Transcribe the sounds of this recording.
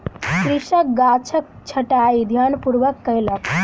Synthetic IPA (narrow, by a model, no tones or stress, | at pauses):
kɾiʂək̚ɡat͡ʃʰək̚t͡ʃʰəʈaid̪ʱjanpuɾʋəkːəjlək